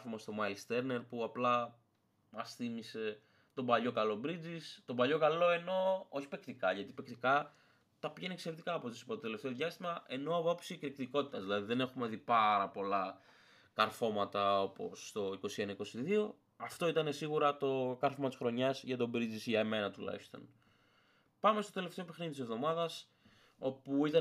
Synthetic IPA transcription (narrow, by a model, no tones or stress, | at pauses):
fomɐst̪o̞mɐist̪e̞ɾne̞ɾpuɐplɐ | mɐsθimise̞ | t̪o̞bɐʎo̞kɐlo̞bɾid͡zist̪o̞bɐʎo̞kɐlo̞e̞no̞o̞çi̥pe̞kt̪ikɐʝɐt̪ipe̞kt̪ikɐ | t̪ɐpiʝe̞nikse̞ɾet̪i̥kɐːpo̞t̪isi̥pɐt̪t̪ele̞ft̪eo̞ðʝɐst̪imɐʔe̞no̞ɐpopsikɾikt̪iko̞t̪i̥t̪ɐzðilɐðiðe̞ne̞xume̞ðipɐɾɐpo̞lɐ | kɐɾfo̞mɐt̪ɐo̞po̞̰sːt̪o̞iko̞sie̞nɐiko̞siðio̞ | ɐft̪o̞it̪ɐne̞siɣuɾɐt̪o̞kɐɾfomɐt̪isxɾo̞ɲɐzʝɐt̪o̞bɾid͡zisʝɐeme̞nɐt̪ulɐ̰ist̪o̞̰n | pɐme̞st̪o̞t̪ele̞ft̪eoipexniðit̪ise̞vðo̞mɐðɐs | o̞puit̪ɐ